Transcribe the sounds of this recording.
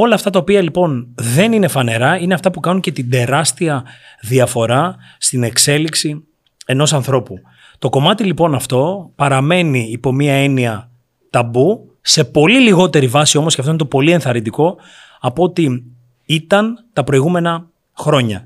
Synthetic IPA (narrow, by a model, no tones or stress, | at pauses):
o̞lɐːft̪ɐt̪ɐopiɐlipo̞nðe̞ninefɐne̞ɾɐine̞ɐft̪ɐpukɐnuɲce̞t̪id̪e̞ɾɐst̪iɐðiɐfo̞ɾɐ | st̪ine̞kse̞liksi | e̞no̞sɐnθɾo̞pu | t̪o̞ko̞mɐt̪ilipo̞nɐft̪o̞pɐɾɐme̞niːpo̞miɐe̞niɐ | t̪ɐbu | se̞po̞liliɣo̞t̪e̞ɾivɐsio̞mosceɐft̪oint̪opo̞lie̞nθɐɾind̪iko̞ | ɐpot̪i | it̪ɐnt̪ɐpɾo̞iɣume̞nɐ | xɾo̞ɲɐ̰